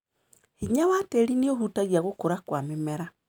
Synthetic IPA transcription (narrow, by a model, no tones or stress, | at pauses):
hiɲawateɾinioɦutaɣiaɣokoɾakwamemɛɾa